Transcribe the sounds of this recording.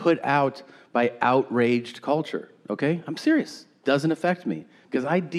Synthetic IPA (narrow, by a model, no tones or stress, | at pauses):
pʰʊɾa̰ʊt̚b̥aɪʔaʊʔ̚ɹeɪd͡ʒkʰʌlˠt͡ʃə̰˞ | ʔoʊkʰeɪãɪ̃msɪɹiɨs | d̥ʌzɨ̃ntɨfɛk̚t̚mḭ̥ | kʰʌzaɪd